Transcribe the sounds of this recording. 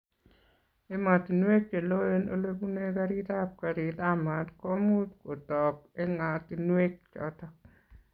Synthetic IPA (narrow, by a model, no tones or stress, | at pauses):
emat̪inwek̚t͡ʃelojeno̰lekunekaɾit̪ap̚kaɾit̪amatkomut̪kot̪ɔkeŋat̪inwek̚t͡ʃɔ̰t̪ɔk̚